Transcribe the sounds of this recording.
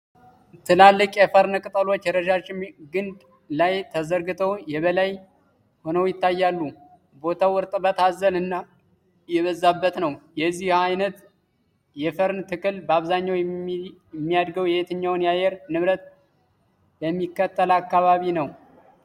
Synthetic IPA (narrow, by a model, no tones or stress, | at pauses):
t̪ʰɨlalːɨkʼjɛfəɾnkʼɨt̪ʼəlo̞t͡ʃːjɛɾəʃat͡ʃːɪmɡɨnd̪ | lajt̪ʰəzəɾɡɨt̪ʰəwjɛβəlaj | ho̞nəwjɪt̪ʰːajːalːu | bo̞t̪ʰawɨɾt̪ʼbət̪ʰazːəlɨnːa | jɛβəzːabːət̪nəwjɛzːihajnət̪ | jɛfəɾnt̪ʰɨkɨlbəaβzaɲːaw | ɛmːijad̪ɡəwjɛhet̪ʰɨɲːawnjajɛɾnɨβɾət̪̚ | bəmːikːət̪ːəlakːaβaβinəw